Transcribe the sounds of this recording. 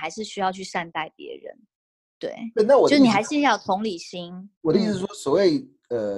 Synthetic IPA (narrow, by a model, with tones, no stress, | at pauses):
xa˧˥ɪʂɻ̩˥˩ɕy˥jɑ˥˧ʊt͡ɕʰy˥˧ʂa˥˧nt̪a˥˩ɪpjɛ̰˧˥ɻə̰˧˦n | t̪wḛ˥˩ɪe˥˩na˥˩wɔ˨˩˥n˨˧˩xa˧˥ɪʂɻ̩˥˧˥jɑ˥˩ʊt̪ʰʊ˧˥ŋli˨˩ɕi˥ŋwɔ˨˩ə˥˧˥wɔ˥swɔ˨˩we˥˩ɪ | ə˩